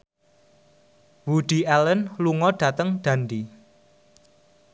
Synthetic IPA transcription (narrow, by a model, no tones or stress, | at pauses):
wuɖ̥i̤ʔɛlənluŋɔɖ̥ä̤t̪əŋɖ̪̥a̤nd̪i